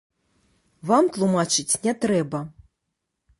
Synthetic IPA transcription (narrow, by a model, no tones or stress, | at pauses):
vamt̪lˠumat͡ʂɨt͡sʲnʲɛt̪ɾɛbɐ